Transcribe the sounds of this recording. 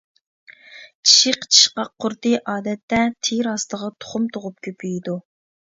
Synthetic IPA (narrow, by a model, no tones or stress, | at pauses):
t͡ʃʰi̥ʃɪqt͡ʃʰi̥ʃqɑqʰːʊɾt̪ɨʔɑːd̪ɛt̪ːɛt̪ʰiɾɑst̪əʁɑt̪ʰo̥χʊmt̪ʰoʁʊp̚kʲʰøpʰyjid̪u